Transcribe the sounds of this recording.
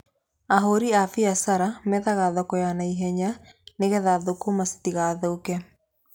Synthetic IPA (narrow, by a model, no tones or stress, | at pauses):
aɦoɾiafiasaɾamɛðaɣaðɔkɔjanaiɦɛɲaneɣɛðaðokomasi̥tiɣaðoːkɛ